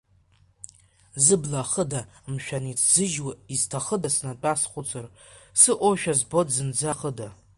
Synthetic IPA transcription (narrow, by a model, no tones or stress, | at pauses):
zɨblaχədamʃᶣanitʰz̥ɨʒwaiztʰaχədasnat͡pʼasχʷʼʊt͡sʰar | sɨʔʷoʃᶣazbo̞dzɨnd͡zaχəda